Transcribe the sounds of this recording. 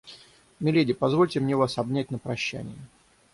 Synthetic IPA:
mʲɪlʲedʲɪpɐzvo̞lʲtʲɪmnʲevasɐbnʲæt̚ʲnəpɾɐɕːæ̰nʲɪ̰jə

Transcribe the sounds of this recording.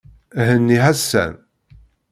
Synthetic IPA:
hənːiɦæsːæ̰n

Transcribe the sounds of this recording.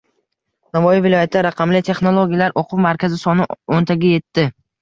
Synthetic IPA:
navɒjɪvɪlˠɒjat̪ʰaɾaqʰɑmlɪt̪ʰe̞χnolˠoɡʲijalaɾʔoqʰʊwmaɾkʲʰazɪsɒnɪont̪ʰaɡʲaje̞t̪ʰːɪ

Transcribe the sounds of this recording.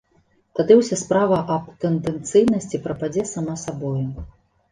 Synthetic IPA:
t̪ad̪ɨwsʲaspɾavɐʔɐp̚t̪ɛnd̪ɛnt̪sɨjnɐsʲt͡sʲipɾɐpad͡zʲɛsamasabɔju

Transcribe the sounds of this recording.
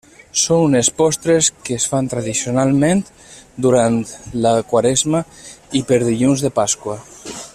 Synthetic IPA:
soŋnespɔst̪ɾeskeːsfant̪ɾaðisionalˠmẽnt̪ | d̪uɾant̪lakwaɾezmaipeɾðiʎunzðepaskwa

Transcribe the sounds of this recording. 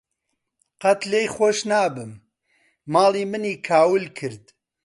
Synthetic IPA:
qɐt̪lejxoːʃnaːbɨmː | aːlˠiːmɨniːkʰaːwɨlkʰɨɾd̪

